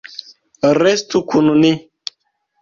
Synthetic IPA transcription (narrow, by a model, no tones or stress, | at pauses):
ɾɛstukʰununi